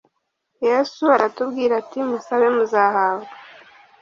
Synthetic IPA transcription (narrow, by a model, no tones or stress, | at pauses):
jesuaɾatubɡiːɾatimusaβe̞muzaːhaːβɡa